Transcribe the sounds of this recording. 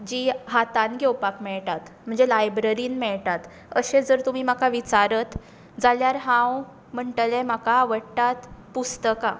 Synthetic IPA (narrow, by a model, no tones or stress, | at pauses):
d͡ʑiːɦat̪anɡʱewpakmɛɭʈ̪at̪m̤əɳd͡zelajbɾəɾiːnmɛɭt̪at̪ | əɕed͡zəɾt̪um̤iːmakaʋit͡saɾət̪ | d͡zaljaɾɦãw | m̤əɳʈəlemakaʋəɽt̪at̪pust̪əka